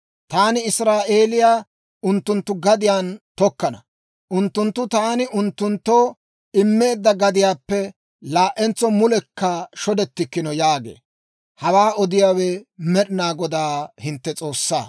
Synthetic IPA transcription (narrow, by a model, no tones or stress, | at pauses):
t̪aːnɪɪsɾaːʔeːlɪjaː | ʊnt̪ːʊnt̪ːʊɡɐd̪ɪjaːnt̪ɔkːɐnɐ | ʔʊnt̪ːʊnt̪ːʊt̪aːnɪʔʊnt̪ːʊnt̪ːoː | ɪmːe̞ːd̪ːɐɡɐd̪ɪjaːpːɛ | laːʔɛnt͡sɔmʊlɛkːɐʃɔd̪ɛt̪ːɪkːɪnɔjaːɡḛː | hɐwaːɔd̪ɪjaːwɛmɛɗɪnaːɡɔd̪aːhɪnt̪ːɛt͡sʼo̞ːsːa̰ː